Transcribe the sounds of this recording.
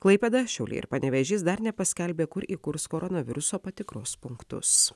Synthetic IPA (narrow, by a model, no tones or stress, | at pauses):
klˠɐɪpʲɛd̪ɐʃʲɛʊlʲḛːɪ̰ɾpɐnʲɛʋʲɛʒʲɪsd̪ɐɾnʲɛpɐsʲkʲɛlʲbʲeːkʊɾiːkʊɾskoːɾʔɔnɐʋʲɪɾʊsoːpɐt̪ʲɪkɾoːspʊŋkt̪ʊ̰s